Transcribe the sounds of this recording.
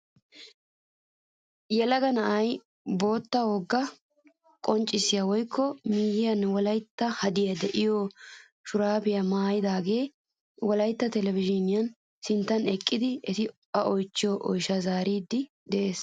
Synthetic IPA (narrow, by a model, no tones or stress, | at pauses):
jɛlɐɡɐnɐʔɐj | bo̞ːt̪ːɐwoːɡːɐ | kʼɔnt͡ʃʼːɪsɪjɐwɔjkʰːɔmiːjɪjɐnwɔlɐjt̪ːɐhɐd̪ɪjɐd̪ɛʔɪjo | ʃʊɾaːbɪjɐmaːjɪd̪aːɡe̞ː | wɔlɐjt̪ːɐt̪ɛlɛvɪʒɪnɪjɐn | sɪnt̪ːɐnɛkʼːɪd̪ɪɛt̪ɪ | ɐʔɔjt͡ʃːɪjɔʔɔ̰jʃɐzaːɾiːd̪ːɪ | d̪ɛʔe̞ːs